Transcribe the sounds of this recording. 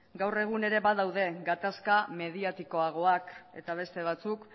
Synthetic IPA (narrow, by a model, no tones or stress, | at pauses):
ɡawre̞ɣ̞une̞ɾe̞βaðawðe̞ɡat̪askame̞ðiat̪iko̞aɣ̞o̞ake̞̰t̪aβ̞e̞st̪e̞β̞at͡suk